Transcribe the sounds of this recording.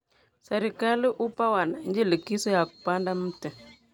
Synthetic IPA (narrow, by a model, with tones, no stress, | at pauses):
sa˨ɾi˨ka˦li˦ʔu˦pa˦wa˨na˨ɲd͡ʒi˦li˨ki˦su˦ja˨ku˨pa˦nda˦m̩˦tə˨